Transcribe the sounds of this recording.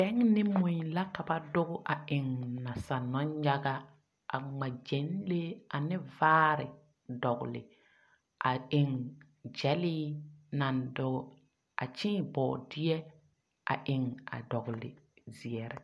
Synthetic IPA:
bɛ˦ŋnɪ˦mũ˨ɲ˨la˦ka˨ba˦dʊ˦ɡʊ˦ʔa˨ʔɪ˨ŋna˨sa˨nɔ˦nɲa˦ɡa˦ | ʔa̰˨ŋ͡ma˨d͡ʒe˨˦nle˦a˨nɪ˦vaː˦ɾɪ̰˨ | dɔ˨ɡlɪ̰˨ | ʔa˨ɪ˨ŋ | d͡ʒɛ˦liː˦na˨ndʊ˨ɡʊ˦˨ | a̰˨t͡ʃĩː˦˨bɔ̰ː˨dɪ˦ɛ˦ | a̰˨ʔɪ˨ŋa̰˨dɔ˨ɡlɪ̰˨zi˨ɛ˨ɾɛ˨˦

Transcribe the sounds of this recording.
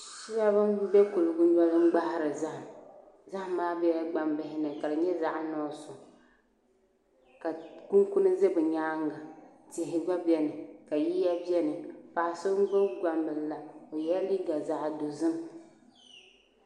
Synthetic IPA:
ʃi˦ja˦bɨ˦nbɛ˦ku˨lɨ˨ɡʊ˦nɔ˦lɨ˦m˦ɡ͡ba˦hɪ˦ɾɨ˨za˦h | za˦hmaː˦bɛ˦ja˦ɡ͡ba˨mbɪ˦ɦɪ˦nɨ˨ka˨lɨ˨ɲɛ˦za˨ʔnɔː˨˦sʊ˨ | ka˨ku˦ŋku˦nɨ˦ze˦bɨ˨ɲaː˦ŋɡa˨ | tɪ˨ɦɪ˨ɡ͡ba˦bɛ˦nɨ˨ka˨ji˦ja˦bi˦ɛ˦nɨ˨pa˨so˦ɡ͡bo˦ɡa˨mbɨ˨lla˨o˨jɛ˦li˦ɡa˨za˨ʔdo˨zɨ˦m

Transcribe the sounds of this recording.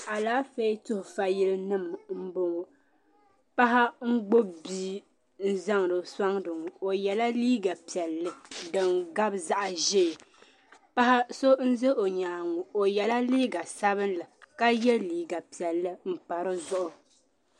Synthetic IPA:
a˨laː˦fe˦tʊ˦hʊ˨fa˨ji˦lɨ˦nɨ˦˨mm̩˦bo˦ŋo˨ | pa˦ɦa˦ŋ̩˦ɡ͡bo˦biː˦ | n̩˦za˦ŋ˨ɾɨ˨sa˦ŋdɨ˨ŋʊ˨o˨jɛ˨la˦liː˦ɡa˨pi˨ɛ˨lːɨ˨dɨ˨ŋɡa˦bza˦ʔa˨ʒe˦˨ | pa˦ha˦so˦n̩˦zɛ˦ʔo˨ɲaː˨ŋʊ˨o˨jɛ˨la˦liː˦ɡa˨sa˦bɨ˦nlɨ˨ka˦jɛ˦liː˨ɡa˨pi˨ɛ˨lːɨ˦m̩˦˨k͡pa˨ɾɨ˦zʊ˦ʔʊ˨

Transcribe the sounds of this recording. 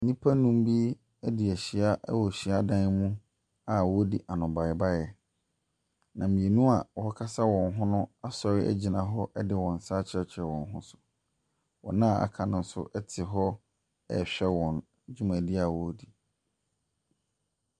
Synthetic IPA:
nĩ˦pʰa˦nũ˦m˦bi˦ | ɛ˦di˨æ˨ɕi˨a˦ʔɛ˦wɔ˨ɕi˨a˦dã˦n˦mũ˦ | a˨wɔ˦di˨ʔa˨nʊ̃˨ba˨ɪ˨ba˦jɛ˨ | nã˨mĩ˨e˨nũ˦a˨wɔ˨hɔ˦kʰa˦sa˦wɔ̃˨nɦʊ̃˦nʊ̃˦a˨sɔ˨ɾɪ˦ʔæ̰˦d͡ʑi˨nã˨ɦɔ˦ʔɛ˦dɪ˦wɔ̃˨n̩˨saː˦t͡ɕʰɪ˦ɾɛ˦t͡ɕʰɪ˨ɛ˨wɔ̃˨nɦʊ̰̃˦sʊ̥˨ | wɔ̰̃˨nã˦˨a̰˨kʰã˨nʊ̃˦n̩˦sʊ̰˦ʔɛ˦tʰɪ˨ɦɔ˦ | ɛ̰˦˨ɕᶣɛ˦wɔ̃˨n | d͡ʑᶣu˦mã˨di˦a˨wɔ˨˦di˨

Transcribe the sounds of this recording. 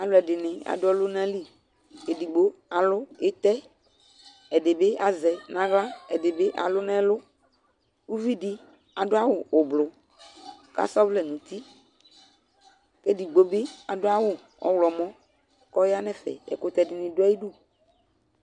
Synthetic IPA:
a˨lʊ˨˦ɛ˨dɪ˨nɪ̃˨a̰˨dʊ˦ɔ˦lʊ˦nã˦li˦ | ke˨di˨ɡ͡bo˦a˨lʊ˦ɪ˦t̪ɛ˦ | ɛ˨dɪ˨bɪ˦ʔa˨zɛ˨nã˦ɣla˦ɛ˨dɪ˨bɪ˦ʔa̰˨lʊ˦nã˦lʊ˦ | u˦vi˦di˦ | a˨dʊ˦a˦wʊ˨ʊ˨blʊ˨ | ka̰˨sɔ˦vlɛ˨nũ˨t̪i˦ | ke˦di˨ɡ͡bo˦bɪ˦a˨dʊ˦a˦wʊ˨ | ɔ̰˨wlɔ˨mɔ̃˦ | kɔ˦ja˦nɛ̃˦fɛ̰˨ɛ̰˨kʊ˦t̪ɛ˦˨dɪ˨nɪ̃˨dʊ˦a˦ji˦du˦˨

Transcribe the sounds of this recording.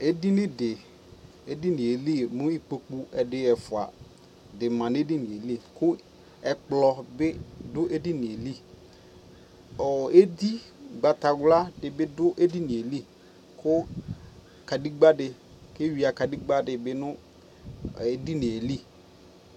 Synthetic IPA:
e˦di˦nɪ̃˦dɪ˨ | e˦di˦nɪ̃˨e˨li˦mʊ̃˦i˦k͡po˨k͡pu˦ɛ˨dɪ˨ɛ˨fʊ˨a̰˨ | dɪ˨mã˨n˦e˦di˦nɪ˨e˨li˦˨kʊ˦ | ɛ˨k͡plɔ˨bɪ˦dʊ˦ʔe˦di˦nɪ˨e˨li˦ | ɔ˨e˦di˦ɡ͡ba˨ta˨ɡla˦dɪ˨bɪ˦dʊ˦ʔe˦di˦nɪ̃˨e˨li˦ | kʰʊ˦ | ka˨di˦ɡ͡ba˦dɪ˨ | kɪ˦wi˨a˨ka˨di˦ɡ͡ba˦dɪ˨bɪ˦nʊ˦ | e˦di˦nɪ̃˨e˨li˦

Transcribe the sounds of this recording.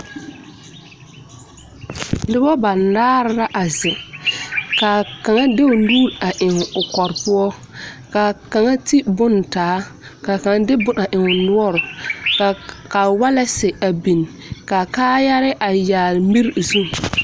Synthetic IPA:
dɪ˦bɔ˦ba˨nː˨aː˦ɾɾa˦ʔa˨zɪ˨ | ka˨ka˨ŋa˦de˦ʊ˨luː˦ɾa˨ʔɪ˨ŋ˨ʊ˨kɔ˨ɾpʊ˦ɔ˦ | ka˨ka˨ŋa˦ti˦bʊ˦ntaː˨˦ka˨ka˨ŋa˦dɪ˦bʊ˦na˨ʔɪ˨ŋʊ˨nʊ˦ɔ˦ɾʊ˨ | ka˨wa˦lɛ˦sɪ˨a˨bi˨n˨ | ka˨kaː˦ja˦ɾɪ˦ʔa˨jaː˨lmi˦ɾzu˦˨

